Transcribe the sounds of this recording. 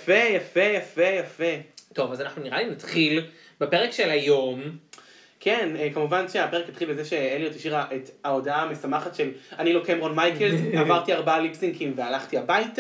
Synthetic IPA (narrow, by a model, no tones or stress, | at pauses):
fejafe̞jafejafeto̞vazanaχnuniʁalinatχil | bepe̞ʁekʃelajo̞m | kʰenekamuvanʃeapeʁekat̪χilbezeʃe̞elijot̪iʃiʁaʔetao̞daame̞samaχatʃe̞lanilokemʁonmajkelzavaʁt̪iaʁbaalipsiŋkʰimvealaχtiabajta